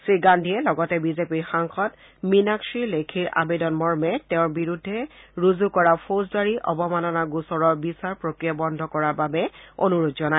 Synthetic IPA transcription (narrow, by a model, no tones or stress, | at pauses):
sɹiɡandʱijɛlɔɡɔtɛbizepiɹxaŋxɔt | minaksiɹlekʰiɹʔa̰bedɔnmɔɹmɛtɛʊ̃ɹbiɹudʱːɛɹuzukɔɹapʰozdaɹiʔɔ̰bɔmanɔnaɡusɔɹɔɹbisaɹpɹokɹijabɔndʱɔkɔɹaɹbabɛo̰nuɹutzɔna